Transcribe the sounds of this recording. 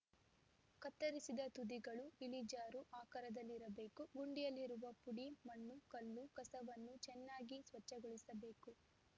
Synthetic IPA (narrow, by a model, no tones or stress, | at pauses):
kɐt̪ːɐɾisid̪ɐt̪ud̪iɡɐɭuilid͡ʒaːɾuʔaːkɐɾɐd̪ɐlːiɾɐbe̞ːkuɡuɳɖijɐlːiɾuʋɐpuɽimɐnːukɐlːukɐsɐʋɐnːut͡ʃɛnːaːɡisʋɐt͡ʃːɐɡɔɭisɐbe̞ːku